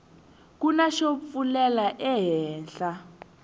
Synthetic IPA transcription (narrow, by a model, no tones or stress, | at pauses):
k̬unaʃop̪fulɛlaʔɛɦɛːnɬa